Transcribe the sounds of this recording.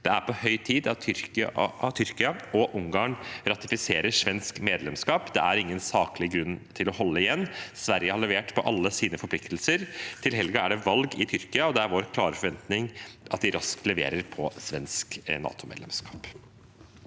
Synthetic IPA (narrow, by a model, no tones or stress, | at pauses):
d̪̥ɛæɾpʰɔhœʏt̪ʰiːd̪ɑt̪ʰʏɾkt̪ʰʏɾkɪɑɔʔʊŋɡɑːɳɾɑt̪ɪfɪseːɾəʂʋɛnskmeːd̪lɛmskɑːpd̪ɛ̰ʔæɾɪŋːənsɑːklɪɡɾʉnːt̪ʰɪlɔhɔlːəɪjɛnːsʋæɾjəhɑɭɛʋeːʈpʰɔʔɑlːəsiːnəfɔɾpʰlɪkt̪lsəɾt̪ʰɪlɦɛlɡɑæɖɛʋɑlɡɪt̪ʰʏɾkɪɑɔd̪ɛæɾʋoːɾkʰlɑːɾəfɔɾʋɛnt̪nɪŋʔɑt̪̚d̪ɪɾɑsklɛʋḛːɾəɾpʰɔsʋɛnsknɑ̰ːt̪ʊmḛːd̪ɛ̰mskɑ̥ːp